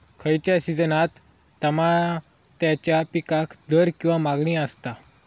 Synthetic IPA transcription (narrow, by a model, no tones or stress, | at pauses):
kʰəjt͡ɕjasid͡zənat̪ː | əma | t̪jat͡ɕjapikakd̪əɾkĩw̃ʋamaɡɳiːəst̪a